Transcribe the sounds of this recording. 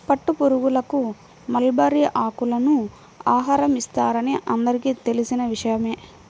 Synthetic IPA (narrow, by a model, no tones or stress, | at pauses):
pɐʈːupoɾuɡulɐku | mɐlbɐɾiʔaːkulɐnu | aːɦaːɾɐmist̪aːɾɐniʔɐnd̪ɐɾikiːt̪e̞lisinɐʋiʂɐjɐme̞ː